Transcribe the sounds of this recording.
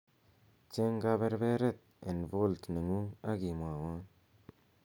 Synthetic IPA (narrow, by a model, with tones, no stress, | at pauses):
t͡ʃe˦ŋɡaβe˦ɾbe˦ɾe˦t̪̚e˨nvo˦lt̪nə˨ŋua˦ɡi˨mwa˨wa˦